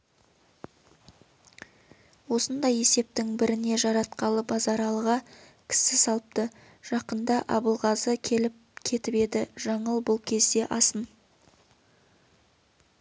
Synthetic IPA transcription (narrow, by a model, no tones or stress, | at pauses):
wo̞sənd̪ɑje̞se̞p̚t̪ɪŋbɪɾɪne̞ʒɑɾɑt̪̚qɑlˠəbɑzɑɾɑlˠəʁɑ | kʲʰɪ̥sɪsɑlˠəp̚t̪ə | ʒ̥ɑqənd̪ɑʔɑbəlˠʁɑzəkʲʰe̞lɪp̚kʲʰe̞t̪ɪpe̞d̪ɪʒɑɴəlˠbʊlˠkʲʰe̞zd̪e̞ʔɑsən